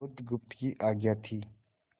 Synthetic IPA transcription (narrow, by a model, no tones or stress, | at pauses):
ʊd̪ɡʊp̚t̪kiʔaɡjat̪ʰi